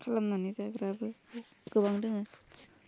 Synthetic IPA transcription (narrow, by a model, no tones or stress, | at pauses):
kʰalamnanizaɡɯɾabɯ | ɡ̥ɯbaŋdɯŋɯ